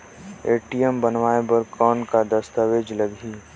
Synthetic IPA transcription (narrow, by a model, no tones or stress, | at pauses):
eːʈijəmbənʋaːebəɾkɔːnkad̪ɐst̪aʋeːd͡ʒləɡiː